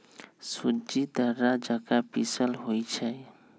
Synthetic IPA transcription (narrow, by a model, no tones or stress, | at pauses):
sud͡ʒid̪əɾad͡ʒəkapisəlɦojt͡ʃʰɛ